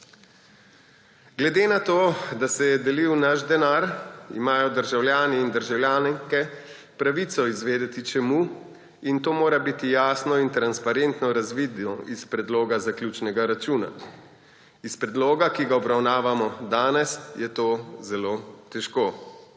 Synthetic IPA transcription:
ɡlɛd̪enat̪oːd̪asɛjɛd̪ɛliwnaʃd̪ɛnaɾḭmaːjɔd̪əɾʒawljaːniːnd̪əɾʒawljaːnŋkɛ | pɾaʋit̪sɔizʋeːd̪ɛt̪it͡ʃɛmuː | int̪oːmoːɾabiːt̪ijaːsnɔint̪ɾanspaɾent̪nɔɾazʋiːd̪ɔʔispɾɛd̪loːɡazaklʲjuːt͡ʃnɛɡaɾat͡ʃuːna̰ | ispɾɛd̪loːɡakiɡaɔbɾawnaːʋamɔd̪aːnɛsjɛt̪oːzɛloːt̪ɛʃkoː

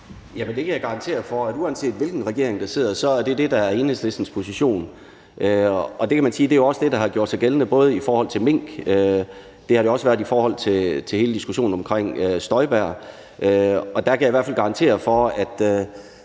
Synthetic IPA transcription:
jæmend̥e̝kʰæjɑ̈ɡ̥ɑ̈ʁɑ̈nt͡sʰe̝̰ːɐfɒ̽æduænse̝̰ːd̥ʋe̝lɡ̥n̩ʁɛɡ̥e̝̰ɐeŋd̥ɑse̝̰ð̰ˠɐsɒ̽æɐd̥e̝d̥e̝d̥ɑ̈æɐe̝ːnəsd̥ʋesd̥n̩spʰo̝siɕo̝̰ːn | ʔøɒ̽d̥e̝kʰæmænsiːd̥e̝jo̝ɒ̽səd̥e̝d̥ɑ̈ɦɑ̈ɡ̥jo̝ɐ̰d̥sɑ̈ɪɡ̥elənəb̥ɔ̽ːð̞̩ˠifɒːhɒ̽l̰t͡sʰe̝lme̝ŋ̰ɡ̥ø | d̥e̝hɑ̥ejo̝ɒ̽səʋæːɐifɒːhɒ̽l̰t͡sʰe̝t͡sʰehe̝ːləd̥isɡ̥uɕo̝̰ːn̩ɒ̽mkʰʁeŋ̰øsd̥ɒ̽ɪb̥æɐ̰ | ʔøɒ̽d̥ækʰæjiʋæɐ̰fælɡ̥ɑ̈ɑnt͡sʰe̝̰ːɐfɒ̽æd̥

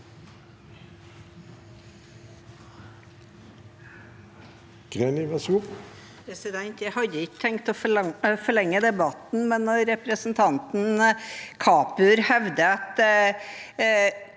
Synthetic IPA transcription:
ɡ̥ɾenɪʋɛsu | pʰɾɛsɪd̪ɛnt̪jæɪhɑd̪əɪkːə̥t̪ʰɛŋkt̪ɔfɔɭɛŋːəd̪ɛbɑt̪n̩mɛnːɔɾɛpɾəsn̩t̪ʰɑnt̪n̩kʰɑːpʉɾhɛʋd̪əɑt̪

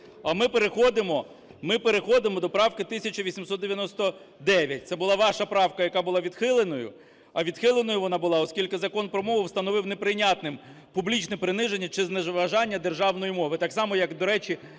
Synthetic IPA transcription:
ɐmɪpeɾexɔd̪ɪmɔ | mɪpeɾexɔd̪ɪmɔd̪ɔpɾɑwkɪt̪ɪsʲɐt͡ʃɐʋʲisʲimsɔt̪d̪eʋjɐnɔst̪ɔ | d̪ɛʋʲjɐt̚ʲt̪sɛbʊlˠɑʋɑʃɐpɾɑwkɐjɐkɑbʊlˠɑʋʲid̪xɪlˠenɔjʊ̰ | ɐʋʲid̪xɪlˠenɔjʊʋɔnɑbʊlˠɑɔskʲilʲkɪzɐkɔnpɾɔmɔɦʊwst̪ɐnɔʋɪwnepɾɪnʲat̪nɪm | publʲit͡ʃnɛpɾɪnɪʒenʲːɐt͡ʃɪzneʋɐʒɑnʲːɐd̪e̞rʒɑwnɔjimɔʋɪt̪ɑksɑmɔjɐkd̪ɔɾɛt͡ʃi

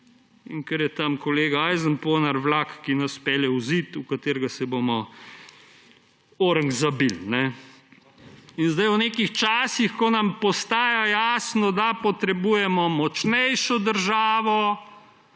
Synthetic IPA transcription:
ḭŋkɛɾjɛt̪amkɔleːɡaajzənpoːnaɾʋlaːkːinaspɛljɛwzit̪ukat̪eːɾɡasɛbomɔ | oːɾəŋɡzabilnɛ | inzd̪ajwneːkixt͡ʃaːsixkɔnɐmpɔst̪aːjajaːsnɔd̪apɔt̪ɾɛbuːjɛmɔmɔt͡ʃnɛjʃɔd̪əɾʒaːʋɔ

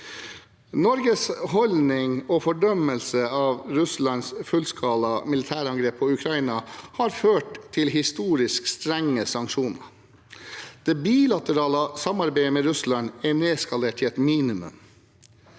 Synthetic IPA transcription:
nɔɾɡəshɔlnɪŋɔfɔɖœməlsəɑːʋɾʉslɑnsfʉlskʰɑːlɑmɪlɪt̪ʰæːɾɑŋɡɾeːpʰːɔʉkʰɾɑinɑhɑːɾføːʈt̪ʰːɪlɦɪst̪uːɾɪskst̪ɾɛŋːəsɑŋkʃuːnə̰ | d̪̥eːbiːlɑt̪əɾɑːləsɑmɑɾbeɪəmeːɾʉslɑnɛneːskɑleːʈʰɪɛt̪miːnɪmʉ̰m

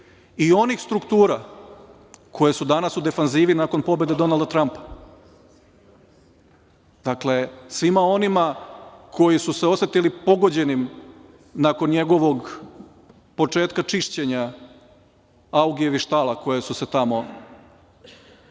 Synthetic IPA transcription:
io̞nixst̪ɾukt̪uːɾa | kʰo̞je̞sud̪anasud̪e̞fanziːʋinako̞npo̞be̞d̪e̞d̪o̞nalˠd̪at̪ɾampḁ | d̪akle̞sʋimao̞nimakʰo̞jisuseo̞sʋe̞t̪ilipo̞ɡo̞d͡ʑe̞nim | nako̞nɲe̞ɡo̞ʋo̞ɡ | po̞t͡ʂeːt̪kat͡ʂiʃt͡ɕe̞ɲa | awɡieʋiʃt̪alˠako̞je̞suse̞t̪amo̞

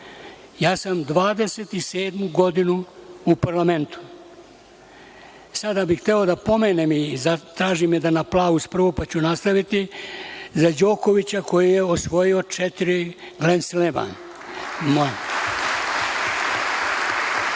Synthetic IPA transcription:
jaːsamd̪ʋaːd̪e̞set̪iseːd̪muɡo̞d̪inuupaɾlamẽ̞nt̪u̥ | sad̪abixt̪eo̞d̪apo̞meːnemizat̪ɾaːʒimjed̪anaplˠaːuspr̩ʋopat͡ɕunast̪aʋit̪i | zad͡ʑo̞ːko̞ʋit͡ɕako̞jijeosʋo̞jio̞t͡ʃet̪iɾi | ɡlensleʋa̰n | man

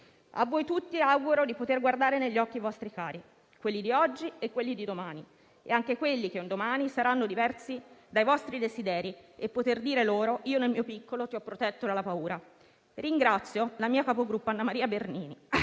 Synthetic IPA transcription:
a̰vːɔjt̪ut̪ːiawɡuɾod̪ipot̪erɡward̪aːɾeneʎːɔkːivɔst̪ɾikaːɾi | kwelːid̪iɔd͡ʒːiekːwelːid̪id̪omaːni | ḛaŋkekwelːik̟eund̪omaːnisaɾanːod̪ivɛrsid̪ajvɔst̪ɾid̪ezid̪ɛːɾiepːot̪erd̪iːɾeloːɾoʔiːonelmiːopikːolot̪iɔpːɾot̪ɛt̪ːod̪alːapauːɾa | riŋɡɾat̪sːjolamiːakapoɡɾupːanːamaɾiːaberniːni

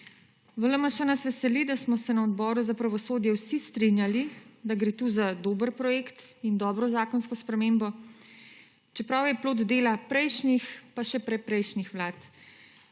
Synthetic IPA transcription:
ʋələmaʃanasʋɛsɛlid̪asmɔsɛnaɔd̪bɔːɾuzapɾaʋɔsoːd̪jɛwsist̪ɾinjalid̪aɡɾeːt̪uːzad̪oːbəɾpɾɔjeːkt̪ind̪ɔːbɾɔzaːkɔnskɔspɾɛmembɔ | t͡ʃɛpɾawjɛploːd̪d̪eːlapɾɛjʃnixpaʃɛpɾɛpɾɛjʃnixʋlaːt̪

